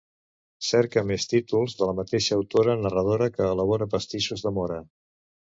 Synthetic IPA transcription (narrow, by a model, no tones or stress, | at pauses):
sɛɾkəmest̪it̪ulˠzðələmət̪eʃəːwt̪oɾənərəð̞oɾəkəːləβ̞oɾəpəst̪iʃuzðəmɔɾə